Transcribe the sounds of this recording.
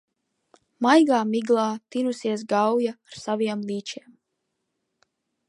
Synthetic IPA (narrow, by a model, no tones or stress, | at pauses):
majɡaːmiɡlˠɑːt̪inusiɛsɡawjaːɾsaviɛmlˠiːt͡ʃiɛm